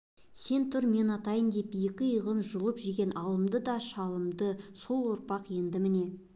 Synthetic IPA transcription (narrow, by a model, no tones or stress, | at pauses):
se̞nt̪ʰʊɾme̞nɑt̪ɑjənd̪e̞p̚ijekʲɪjəʁənʒʊlˠəpʒiɡʲe̞nʔɑlˠəmd̪əd̪ɑʃɑlˠəmd̪əso̞lˠwo̞ɾpɑqje̞nd̪ɪmɪne̞